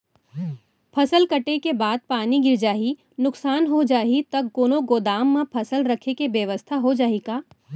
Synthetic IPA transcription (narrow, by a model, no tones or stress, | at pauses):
pʰɐsəlkɐʈekebaːd̪̚paːniɡɪɾd͡ʒaːɦi | nʊksaːnɦod͡ʒaːɦit̪ɐk̚ɡoːnoɡoːd̪aːmːãpʰɐsəlɾɐkʰekeʋjəʋəst̪ʰaɦod͡ʒaːɦikaː